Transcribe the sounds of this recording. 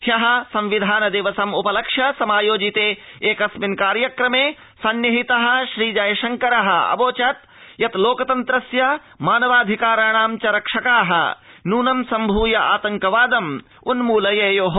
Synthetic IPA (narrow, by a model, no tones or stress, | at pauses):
hjɐɦɐ̆sɐ̃mʋid̪ʱaːnɐd̪eːʋɐsɐmupɐlɐkʂjɐsɐmaːjoːd͡ʒit̪eːeːkɐsminkaːɾjɐkɾɐmeː | sɐnjɐɦit̪ɐɦɐ̆ʃɾiːd͡ʒɐjʃɐŋkɐɾɐɦɐ̆ɐ̰boːt͡ʃɐt̪ | jɐt̪loːkɐt̪ɐnt̪ɾɐsjɐ | maːnɐʋaːd̪ʱikaːɾaːɳ̃aːmt͡ʃɐɾɐkʂɐkaːɦɐ̰̆ | nuːnɐmsɐmbʱuːjɐʔa̰ːt̪ɐŋkɐʋaːd̪ɐm | unmuːlɐjeːjoːɦ